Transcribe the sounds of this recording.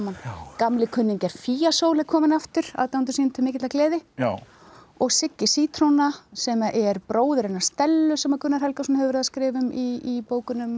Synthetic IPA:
mankamlɪkʰʏnːɪŋcɛɾ̥fiːjasoːwlɛkʰɔːmɪnaft̪ʏɾ̥a̰ðt̪awnt̪̬ʏ̥siːnnt̪ʰʏmɪːcɪt̪laklɛːðɪ | ɔɣsɪcːɪ̥siːt̪ʰɾownasɛmaʔɛɾpɾoːwðʏɾɛnːḁst̪ɛlːʏsɛmakʰʏnːaɾhɛlkasɔnahɛːvʏɾɛːðaskɾɪːvʏmiipoːwkʏnʏm

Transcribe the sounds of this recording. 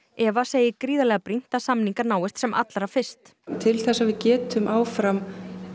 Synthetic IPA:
ɛvaseːjɪkɾiːðalɛɣapɾin̥t̪asamniŋkaɾnaːwɪst̪sɛmʔa̰t̪laɾafɪr̥st̪ | t̪ʰɪlθɛsːavɪðcɛːt̪ʏmʔaːwfɾam

